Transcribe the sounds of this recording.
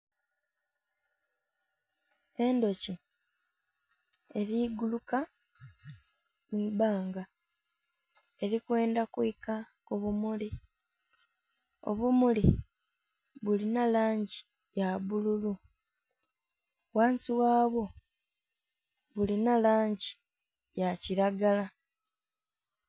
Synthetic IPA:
e̞ndo̞ci | eɾiːɡuluka | miːbaːŋɡa | e̞ɾikwe̞ːndakwika | kuβumuli | o̞̰βumuli | βulinalaːɲɟi̥ | jaβululu | waːnsiwaːβo̞ | βulinalaːɲɟi | jaciɾaɡala

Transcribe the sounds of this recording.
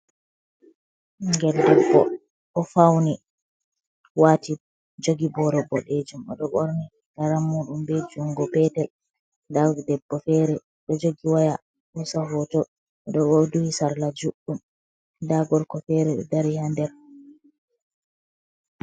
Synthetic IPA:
ŋɡɛldɛbːɔ̰ | ɓɔfawni | wati | d͡ʒoɡibɔɾɔbɔɗed͡ʒumɔ̰ɗɔɓoɾni | ɡ̥aɾamːuːɗumbed͡ʒuŋɡɔpɛtɛl | dadɛbːɔfɛːɾɛ | ɗɔd͡ʒoɡiwaja | ɓusaɦɔtɔ | ɛɗɔɓoduhisaɾlad͡ʒuɗːum | daɡɔɾkɔfɛɾɛɗɛ̰daɾihandɛɾ

